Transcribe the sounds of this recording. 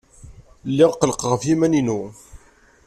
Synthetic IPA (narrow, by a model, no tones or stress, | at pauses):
lːɪʁqːələqʁəfjimæninu